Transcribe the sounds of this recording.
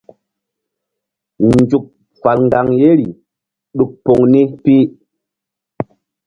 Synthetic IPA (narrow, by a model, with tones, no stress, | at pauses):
n˦d͡ʒu˨k̚ | fa˨lŋɡa˨ŋje˦ɾi˨ | ɗu˨k̚po˨ŋni˦pi˦